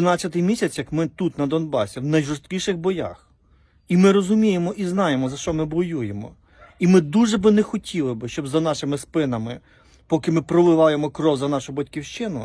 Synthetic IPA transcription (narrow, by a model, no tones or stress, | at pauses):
nɑt͡sʲːɐt̪ɪjmʲisʲɐt͡sʲjɐkmɪt̪ut̪nɐd̪ɔnbɑsʲiwnɐjʒʊst̪kʲiʃɪxbɔjɑ̰x | imɪɾɔzʊmʲijemɔʔiznɑjemɔzɐʃt͡ʃɔmɪbɔjujemɔ̰ | imɪd̪uʒɛbɪnɛxɔtʲʰilˠɪbɪʃt͡ʃɔbzɐnɑʃɪmɪspɪnɐmɪ | pɔkɪmɪpɾɔʋɪʋɑjemɔkɾɔwzɐnɑʃʊbɐtʲkʲiwʃt͡ʃɪnʊ̰